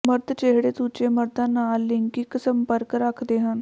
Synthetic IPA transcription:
məɾt̪t͡ʃeɦɽeːt̪ut͡ʃeːməɾd̪ãːnaːlːɪŋkɪksəmpəɾkɾəkʰd̪eːɦən

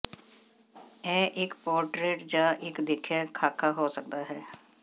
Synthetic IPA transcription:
ɛ̃ːʔɪkpɔːɾʈɾeːʈd͡ʒãːʔɪkd̪ɪkʰːjaːkʰaːkʰaːɦoːsək̚d̪aːɦɛː

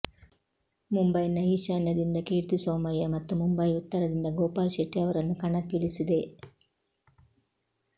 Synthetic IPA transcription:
mumbɐjnɐiʃaːnjɐd̪ind̪ɐkiːɾt̪isoːmɐjɐmɐt̪ːumumbɐjut̪ːɐɾɐd̪ind̪ɐɡoːpaːlʃeʈːiɐʋɐɾɐnːukɐɳɐkːiɭisid̪e̞

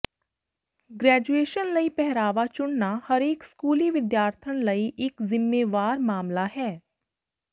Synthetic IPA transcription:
ɡɾɛːd͡ʒueːʃənləipɛɦɾaːʋat͡ʃʊɽnahəɾeːkskuːliʋɪd̪jaːɾt̪ʰənləiʔɪkzɪmːeːʋaːɾmaːmlaɦɛː

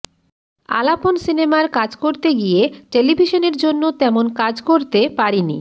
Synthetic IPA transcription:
a̰laponsinemaɾkad͡ʑkoɾt̪eɡijeʈelibʱiʃoneɾd͡ʑonːot̪ɛmonkad͡ʑkoɾt̪epaɾinḭ

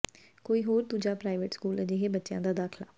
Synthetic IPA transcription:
koːiːɦoːɾd̪uːd͡ʒaːpɾaːɪʋeʈskuːləd͡ʒeːɦeːbətːʃɪjã̰ːd̪aːd̪aːkʰla̰ː

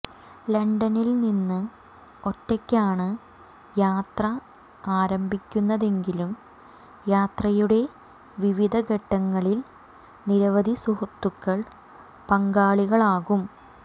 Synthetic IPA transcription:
lɐɳɖɐnilninːɨ | o̞tːɐkʲːaːɳɨ | jaːt̪rɐ | aːɾɐmbʱikʲːunːɐðe̞ŋɡilum | jaːt̪rɐjuɽe̞ | ʋiʋid̪ʱɐɡʱɐʈːɐŋːɐɭil | niɾɐʋɐd̪ʱisuhɐt̪ːukːɐɭ | pɐŋɡaːɭiɣɐɭaːɣum

